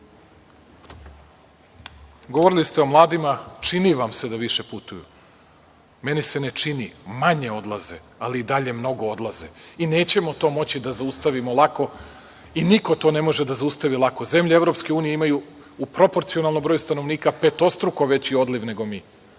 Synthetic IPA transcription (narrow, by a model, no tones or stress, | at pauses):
ɡoʋoɾilist̪eo̞mlˠaːd̪imat͡ʂiniʋamse̞d̪aʋiʃe̞put̪ujṵ | me̞nise̞ne̞t͡ʂinimaɲeo̞d̪lˠazḛ | aliːd̪aʎe̞mno̞ɡo̞o̞d̪lˠazḛine̞ːt͡ɕe̞mo̞t̪o̞ːmo̞t͡ɕid̪azaust̪aʋimo̞lˠako̞ | iniko̞t̪o̞ne̞mo̞ʒed̪azaust̪aʋilˠako̞ze̞mʎeeʋɾo̞pske̞uːnijeimaju | upɾo̞po̞ɾt̪sio̞nalno̞mbɾojust̪ano̞ʋniːkape̞t̪o̞st̪ɾukoʋe̞t͡ɕio̞d̪liʋne̞ɡo̞miː